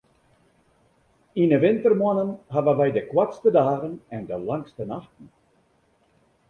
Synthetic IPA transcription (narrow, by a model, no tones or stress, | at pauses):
inəʋɪntərmwanənɦavənʋɛjdəkwatstədaːɣənɛndəlaŋstənaxtn̩